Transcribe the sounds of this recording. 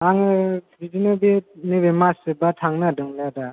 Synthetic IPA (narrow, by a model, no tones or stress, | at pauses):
aŋɯbidinɯbenɯbemasɯbatʰaŋnadɯŋlada